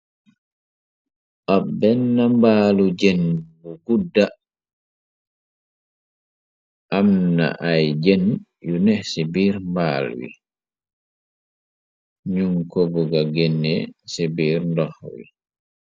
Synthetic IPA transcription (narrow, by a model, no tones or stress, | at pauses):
ʔabɛnːambaːlud͡ʒenɡuɡudːa | ʔamna̰ʔajd͡ʒen | junɛsibiːɾmbaːlwḭ | ɲuŋkɔbɔɡaɡenːɛsibiːɾndɔhwḭ